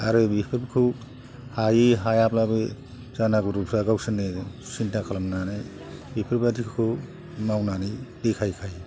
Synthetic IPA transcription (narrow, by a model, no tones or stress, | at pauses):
aɾɯbipʰiɾbkʰu | hajiɦajaplabɯ | zanaɡuɾupʰaɡawsɯnesintakʰalamnanɯj | bipʰiɾpadikʰkʰu | mawnanijdikʰajkʰaj